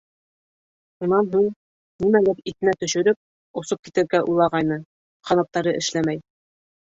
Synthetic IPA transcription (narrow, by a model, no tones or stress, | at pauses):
ʃunɑnɦuɴ | nimælɘɾit̪ɘ̆næt̪ɵ̆ʃɵ̆ɾɵp̚ | ŏsop̚kit̪ɘ̆ɾɡæʔulˠɑʁɑjnɤ | qʰɑnɑp̚t̪ɑɾɤʔɘ̆ʃlæmæj